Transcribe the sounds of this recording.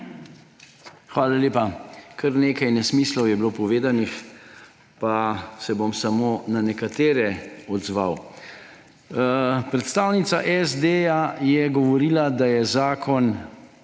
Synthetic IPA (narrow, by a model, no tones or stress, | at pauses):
xʋaːlaljeːpakʰəɾneːkajnɛsmiːslɔwjɛbloːpɔʋeːd̪anix | pasɛbomsamoːnanɛkat̪eːɾɛɔd̪zʋa̰w | pɾɛt̪st̪aːwnit̪sa̰ʔɛzd̪ejajɛɡɔʋɔɾiːlad̪ajɛzaːkʰɔn